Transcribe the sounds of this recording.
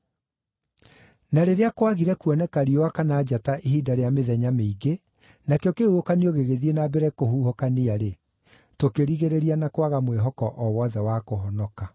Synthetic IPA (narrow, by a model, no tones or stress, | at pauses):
naɾeɾeakwaɣiɾɛkuɔnɛkaɾiowakanaːd͡ʑataʔeɦidaɾeameðɛɲameiɡe | nakeɔkeuokaneoɣeɣeðienabɛɾɛkohuhokaneaɾe | tokeɾiɣeɾeɾianakwaɣamweɦɔkɔʔɔwɔðɛwakoɦɔnɔka